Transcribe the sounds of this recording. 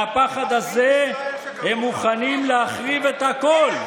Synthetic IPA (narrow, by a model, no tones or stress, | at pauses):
apaχad̪aze | hemːuχanimleaχʁive̞t̪hako̞l